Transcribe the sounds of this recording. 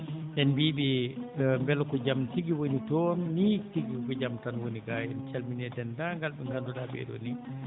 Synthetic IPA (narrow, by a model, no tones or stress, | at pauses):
ɗɛnbiːbɛmbɛlɔkɔd͡ʒamtiɡiwonitɔːnːitiɡikɔkɔd͡ʒamtanwoniɡajɛnt͡ʃalminɛdɛndaŋɡalɓɛŋɡandudabɛ̰ːɗɔ̰ni